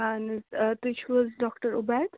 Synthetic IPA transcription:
ant̪ɪt͡ʃʰʋɔzɖɔːkʈəɾʊbad̪̥

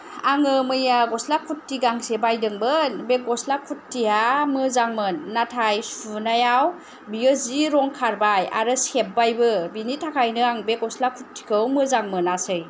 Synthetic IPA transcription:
aŋɯmɯjaɡɔslakʰutːiɡaŋsebajdɯŋbɯnbek̚ɔslakʰutːiamɯzaŋmɯnːatʰajsunajaw | biɯziɾɔŋkʰaɾbaja̰ɾɯsep̚bajbɯbinitʰakʰajnɯaŋbeɡɔslakʰutʰːi̥kʰɯwmɯzaŋmɯnasɯj

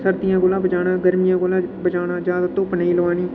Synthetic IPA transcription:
səɾd̪ɪjãːɡoːlãːbəd͡ʒaːnaːɡəɾmɪjãːɡoːlãːbəd͡ʒaːnãːd͡ʒjaːd̪at̪õːpənaiːləʋaːniː

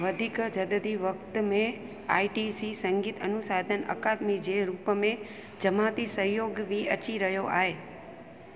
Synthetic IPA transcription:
ʋəd̪ʱikd͡ʒəd̪əd̪iʋəkt̪mẽ | a̰ːiʈisisə̃ŋɡiːt̪ənʊsaːd̪ʱənə̰kad̪mid͡ʒeɾuːpəmẽ | d͡ʒəmat̪isəɦjoːɡʋiət͡ʃiɾəɦjoʔa̰ːɦe

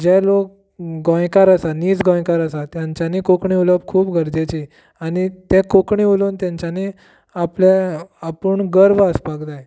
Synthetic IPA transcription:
d͡ʑɛlok̚ | ɡɔ̃jkaɾəsaniːd͡zɡɔ̃jkaɾəsat̪jãɲt͡ɕanikokɳiuləb̚kʰuːpɡʱəɾd͡ʑet͡ɕi | añit̪ɛ̃kokɳiulont̪jãɲt͡ɕjani | apleapuːɳɡəɾʋəspaɡd̪aj

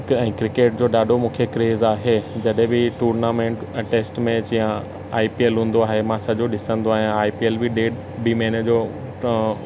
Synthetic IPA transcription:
ɛ̃ːkɾɪkeːʈ̚d͡ʑoːɗaːɗʱomũːkʰekɾeːzaːɦed͡ʑɐɗɦẽbɪʈuːɾnaːmẽːɳʈʈeːsʈmẽt͡ɕjã | aːipielɦũːn̆d̪oaːɦemãsɐʄoɗɪsə̃nd̪oaːɦij̃aːipielbɪɗeː | bimeːnəd͡ʑoː

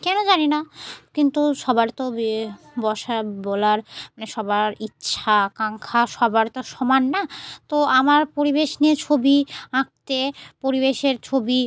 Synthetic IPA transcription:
kɛnod͡ʑaninakint̪uʃɔbaɾt̪o | bɔʃabɔlaɾmaneʃɔbaɾitːɕʰakaŋkʰaʃɔbaɾt̪oʃɔmanːat̪oamaɾpoɾibeʃniet͡ɕʰobiãk̚t̪epoɾiβeʃeɾt͡ɕʰobi

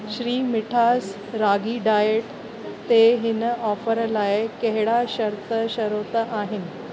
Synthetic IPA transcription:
ɕɾiːmiʈʰas | ɾaɡiːɖajeʈ | t̪eɦinəɔfəɾlaekeɦɽaɕəɾt̪əɕəɾot̪əʔaɦin

